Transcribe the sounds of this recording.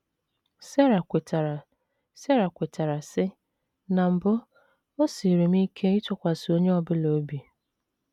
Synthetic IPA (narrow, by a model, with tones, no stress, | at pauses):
se˦ɾa˨ta˨ | se˦ɾa˨kʷe˨ta˨ɾa˨sɪ˦ | na˨m̩˨bʊ˦ | o˦si˨ɾi˨m̩˦i˦kʰe˦ɪ˦t͡ʃɔ˨kʷa˨sɪ˨o˦ɲe˦ɔ˨bɪ˦lo˨˦bi˨